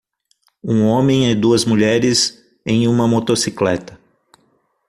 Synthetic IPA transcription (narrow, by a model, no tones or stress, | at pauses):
ũõmẽj̃ɪd̪uɐzmuʎɛɾɪz | ẽj̃ũmɐmot̪osiklɛt̪ɐ